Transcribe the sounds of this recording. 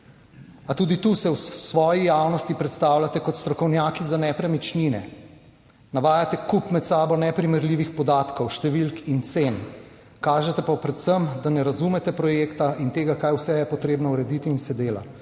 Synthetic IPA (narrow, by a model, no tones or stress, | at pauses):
at̪uːd̪it̪usɛwsʋɔːjijaːwnɔst̪ipɾɛt̪st̪aːwlʲat̪ɛkɔt̪st̪ɾɔkɔwnjaːkizanɛpɾɛmit͡ʃninɛ̰ | naʋaːjat̪ɛkupmɛt̪saːbɔnɛpɾimɛɾliːʋixpɔd̪aːt̪kɔwʃt̪ɛʋilkint̪seːn | kaːʒɛt̪ɛpapɾɛt̪səmd̪anɛɾazumɛt̪ɛpɾɔjeːkt̪aint̪eːɡakajwsɛjɛpɔt̪ɾeːbnɔuɾɛd̪it̪iːnsɛd̪eːla̰